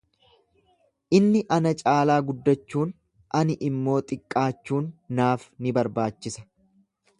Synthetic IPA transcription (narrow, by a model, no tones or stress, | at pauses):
ʔɪnːɪʔɐnɐt͡ʃʼaːlaːɡʊd̪ːɐt͡ʃːuːn | ʔɐnɪʔɪmːo̞ːt̪ʼɪkʼːaːt͡ʃːuːnːaːfnɪbɐɾbaːt͡ʃːɪsɐ̥